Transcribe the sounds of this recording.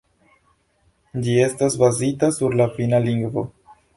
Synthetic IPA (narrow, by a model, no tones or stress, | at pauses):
d͡ʒie̞stasbazitasuɾlafinaliŋɡvo̞